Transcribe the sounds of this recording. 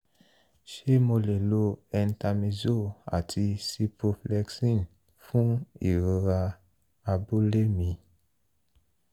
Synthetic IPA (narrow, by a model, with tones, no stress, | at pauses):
ʃe˦mo˧le˨lo˧ɛ˨n˦ta˧mĩ˧zo˦˨a̰˨tʰi˧si˧po˧flɛ˧ksĩ˦˨n | fũ˦i˨ɾɾa˧ | a˨bu˦le˦mĩ˧